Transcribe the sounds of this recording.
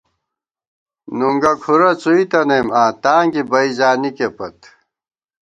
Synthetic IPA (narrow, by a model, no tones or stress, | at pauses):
nuŋɡɐkʰuɾɐt͡suit̪ɐnemaːt̪aːŋkibɐizaːnikepɐt̪